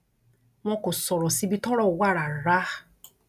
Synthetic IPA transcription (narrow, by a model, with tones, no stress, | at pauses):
m̃ɔ̃˧ko˨sɔ˨ɾɔ˨si˨˧˦bi˧˦tɔ˦ɾɔ˦˨˦wa˦˨ɾa˨ɾa˨˦